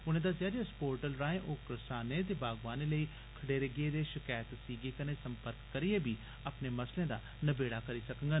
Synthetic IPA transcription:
ʊnẽːd̪aːzjaːɾiaspoːɾʈəlɾaːẽːʔoːkɾəsaːnẽːt̪̬eːbaːɡʋaːneːləiː | kʰəɽeːɾəɡeːd̪eːʃɪkaːjt̪siːɡeːkəneːsəmpəɾkːəɾieːbiː | əpneːməslẽːd̪aː | nəbeːɽaːkəɾiːsəkəŋɡaː

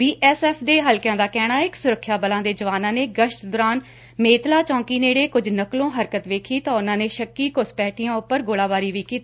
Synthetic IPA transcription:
biːʔɛːsɛːpʰd̪eːɦəlkjãːd̪aːkɛːɽ̃aːɪksʊɾəkʰːjaːbəlãːd̪eːd͡ʒəʋaːnãːneːɡəʃʈd̪ʊɾaːn | meːt̪laːt͡ʃɔ̃ːŋkiːneːɽeːkʊd͡ʒʱnəklõːɦəɾkət̪ʋeːkʰiːt̪ãːʊnãːneːʃəkːiːkʊspɛːʈʰɪjãːʊpːəɾɡoːlaːʋaːɾiːʋiːkiːt̪iː

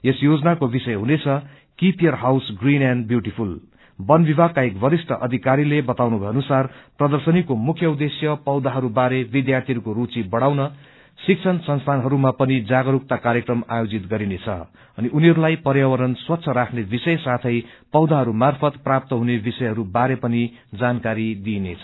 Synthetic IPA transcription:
esjod͡znakobisʌjɦunet͡sʰʌ | kipiʌrɦawsɡrinjanɖbjuʈipʰul | bʌnbibʱakaekbʌɾisʈʰʌʔʌd̪ʱikaɾilebʌt̪awnubʱʌjʌnusarprʌd̪ʌrsʌnikomukʰjʌud̪esjʌpʌwd̪aɦʌɾubaɾebid̪jart̪ʰiɦʌɾukoɾut͡sibʌɽawnʌ | sik̚t͡sʰʌnsʌnst̪ʰanɦʌɾumapʌnid͡zaɡʌɾuk̚t̪akaɾjekrʌmajod͡zit̪ɡʌɾinet͡sʰʌ̰ | ʌniʔuniɦʌɾulajpʌɾjawʌɾʌnswʌt̪ːsʰʌɾakʰnebisʌjsat̪ʰʌj | pʌwd̪aɦʌɾumarpʰʌt̪prap̚t̪ʌɦunebisʌjɦʌɾubaɾepʌni | d͡zankaɾid̪inet͡sʰʌ

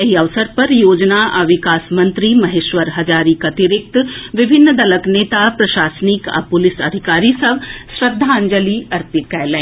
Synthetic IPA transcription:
ɐɦiɐʋsəɾpɐɾjoːd͡ʒnaʔɐʋɪkaːsmɐ̃nt̪ɾimɐɦeːʃʋəɾɦɐd͡ʒaːɾikɐt̪ɪɾɪk̚t̪ʋɪbʱɪnːd̪ɐləkneːt̪apɾɐʃaːsnɪka̰pʊlɪsɐd̪ʱɪkaːɾisɐbsɾɐd̪ʱːaə̃ɲd͡ʒəliɐɾpɪt̪̚kɛːlẽː

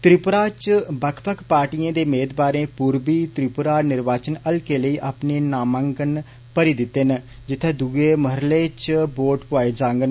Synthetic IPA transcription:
t̪ɾɪpʊɾaːt͡ʃbəkʰpəkʰpaːɾʈiːjãːd̪eːmeːd̪baːɾẽːpuːɾbiːt̪ɾɪpʊɾaːnɪɾʋaːt͡ʃənəlkeːləiːʔaːpneːnaːmə̃ŋɡən | pəɾiːd̪ɪt̪ːen | d͡ʒɪt̪ʰːẽːd̪uɡeːməɦɾleːt͡ʃboːʈpʊaːeːd͡ʒãːŋɡən

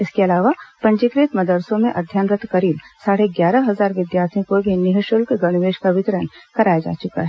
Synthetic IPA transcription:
ɪskeɐlaːʋapɐ̃ɲt͡ʃikɾiːt̪mɐd̪əɾsõmẽʔɐd̪ʱjaːnɾət̪kɐɾiːbsaːɽeɡjaːɾəɦɐzaːɾʋɪd̪jaːɾt̪ʰĩkobʱinɪɦəʃʊlkeɡɐɽ̃ɪʋeːʃkaʋɪt̪ɾənkɐɾaːjad͡ʒa̰ːt͡ʃʊka̰ɦɛ

